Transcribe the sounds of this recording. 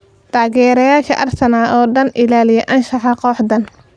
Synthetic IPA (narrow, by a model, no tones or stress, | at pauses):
t̪ʰaːɣɛːɾɐjaːʃɐʔɐrsɐnaːʔɔːɖɐnʔɪlaːlɪjɛʔɐnʃɑħɑqɔːħd̪ɐn